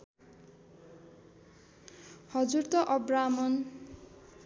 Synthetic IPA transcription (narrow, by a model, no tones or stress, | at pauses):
hʌd͡zurt̪ʌʔʌbramʌn